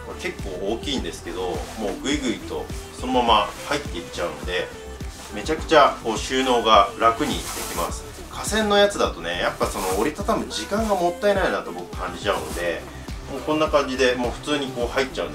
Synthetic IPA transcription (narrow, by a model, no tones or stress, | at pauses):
make̞kːo̞ːoːkʲĩːnd̪e̞sɨ̥ke̞d̪o̞mo̞ːɡɯ̟iɡɯ̟it̪o̞̰so̞no̞mamahait̪ːe̞it͡ɕaɯ̟no̞d̪e̞ | me̞t͡ɕakɯ̟̥t͡ɕako̞ːɕɨːno̞ːɡaɾakɯ̟ɲ̟ḭd̪̥e̞kʲimasɨ̥ | kʰasẽ̞nːo̞jat͡sɨd̪at̪o̞ne̞japːaso̞no̞ːɾʲit̪at̪amɯd͡ʑikãŋɡamo̞t̪ːae̞nainat̪o̞bo̞kɯ̟̥kãɲ̟d͡ʑit͡ɕaɯ̟nod̪e̞ | moːkõ̞nːakãɲ̟d͡ʑid̪e̞mo̞ːɸɯ̟̥t͡sɨːɲ̟iko̞ːhaitːt͡ɕaɯ̟n